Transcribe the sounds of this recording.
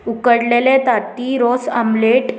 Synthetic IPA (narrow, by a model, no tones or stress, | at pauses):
ukəɽlelet̪at̪iɾosa̰mleʈ